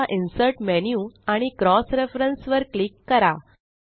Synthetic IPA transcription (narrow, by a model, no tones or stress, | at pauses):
aʔinsəɾʈmɛnjuaɽ̃ikɾɔsɾefɾənsʋəɾklikːəɾa